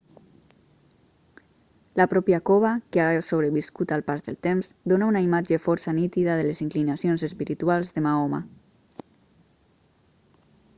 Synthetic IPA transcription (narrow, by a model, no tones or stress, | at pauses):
lapɾɔpjakoβakeaɾasoβɾeβiskut̪alˠpazðəlˠt̪emz̥d̪onaunaimad͡ʒefɔɾsanit̪iðaðeleziŋklinasjonzespiɾit̪ualˠzðemaɔma̰